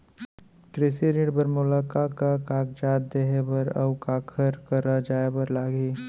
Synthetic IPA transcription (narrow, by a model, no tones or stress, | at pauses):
kɾɪsiɾeːɖbəɾmʊlaːkakakaːk̚d͡ʒaːt̪̚d̪eɦebɐɾɐ̰wkaːkʰəɾkɐɾad͡ʒaːebɐɾlaːɡeː